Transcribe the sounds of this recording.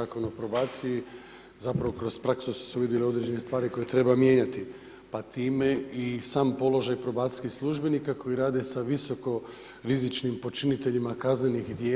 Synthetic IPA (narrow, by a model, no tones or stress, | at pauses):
aːko̞nopɾo̞baːt̪siji | zapɾaʋo̞kɾo̞spɾaksusu̥seuʋid̪jelio̞d̪ɾed͡ʑe̞nest̪ʋaːɾiko̞jet̪ɾe̞bamje̞ɲat̪i | pat̪iːme̞isaːmpo̞lo̞ʒajpɾo̞baːt̪ʲiskixslˠuʒbe̞nikakʰo̞jiɾaːd̪e̞saʋiso̞ko̞ | ɾizit͡ʃnimpo̞t͡ʃinit̪e̞ʎimakazne̞nixd̪jeː